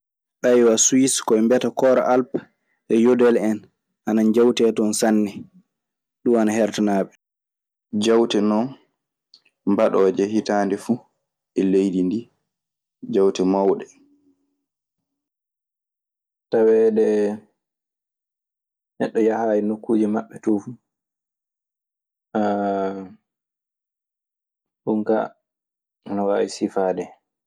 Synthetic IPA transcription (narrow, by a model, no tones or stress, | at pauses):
ɗajwaswiskɔɛmbɛtakɔɾa̰ʔalp | ʔɛjodɛlɛn | ʔanand͡ʒawtɛtɔnsanːɛ | ɗumanahɛɾtanaːɓɛ | d͡ʒawtɛnɔn | mbaɗɔːd͡ʒɛhitaːndɛfu | ɛlejdindi | d͡ʒawtɛmawɗɛ | tawɛːdɛ | nɛɗːɔjahaːjinokːuːd͡ʒimaɓːɛtɔfu | ɗuŋka̰ | nɔwaːwisifaːdɛ